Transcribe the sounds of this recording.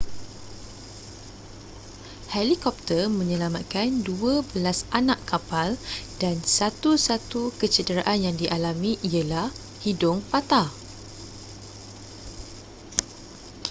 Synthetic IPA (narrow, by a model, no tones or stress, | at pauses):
hɛlikɔp̚t̪ərmə̃ɲə̃lamat̪̚kanduəbəlasanãʔkːapaldansat̪usat̪ukət͡ʃədəɾaʔanjaŋdiʔalamĩʔiəlah | hidʊŋpat̪a